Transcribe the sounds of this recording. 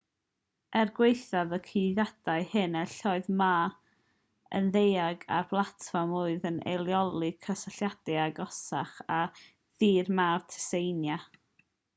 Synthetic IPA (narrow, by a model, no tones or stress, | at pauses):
ɛrɡwejθaðəkʰiðjad̥aɨhɨnɛɬɔɨðmaː | ə̰nðejaɡa̰rb̥lˠatʰfɔmuɨðənʔḛlˠjɔlˠɨkʰəsaɬjad̥ɨaɡɔsaχa | ðiːrmartʰɛ̥sejnja